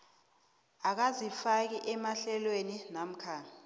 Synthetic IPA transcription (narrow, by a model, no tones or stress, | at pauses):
ak̬azifak̬iʔɛmaɬɛlweninam̩kʰaː